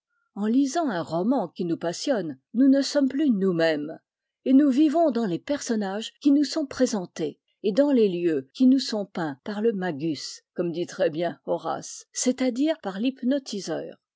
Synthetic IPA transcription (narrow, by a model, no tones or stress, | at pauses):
ɑ̃lizɑ̃ɛ̃ʁɔmɑ̃kʲinupasjɔnːunəsɔmplynumɛm | enuvivɔ̃d̪ɑ̃lepɛʁsɔnaʒkʲinusɔ̃pχezɑ̃t̪eː | d̪ɑ̃leljøkʲinusɔ̃pɛ̃paʁləmaɡʲyskɔmd̪it̪χɛbjɛ̃ɔʁa̰sːet̪ad̪iʁpaʁlipnɔt̪ʰizœ̰ːʁ